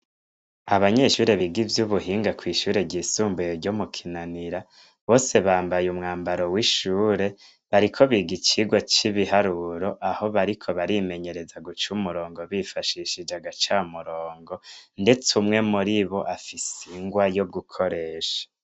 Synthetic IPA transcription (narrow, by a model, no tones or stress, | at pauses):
aβaɲe̞ʃuːɾeβiɡivjuβuhiːŋɡakwiːʃuːɾe̞ɾɟiːsuːmbujeɾɟomukʰinaniɾa | βo̞ːse̞βaːmbajumŋaːmbaɾo̞wiʃuːɾe̞ | βaɾikʰo̞βiɡit͡ʃiɡwot͡ʃiβihaɾuɾo̞ʔaho̞βaɾikʰo̞βaɾime̞ɲe̞ɾe̞zaɡut͡ʃumuɾo̞ːŋɡo̞βifaʃiʃid͡ʒaɡat͡ʃamuɾoːŋɡo̞nde̞t͡sumŋe̞muɾiβo̞ʔafisiŋɡwajob̚ɡukʰo̞ɾe̞ːʃḁ